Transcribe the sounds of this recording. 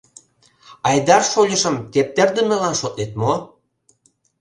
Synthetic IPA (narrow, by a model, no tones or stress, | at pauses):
ɑjd̪ɑrʃolʲəʃə̆mt̪ep̚t̪ĕrd̪ə̆mĕlɑnʃot̪net̪mo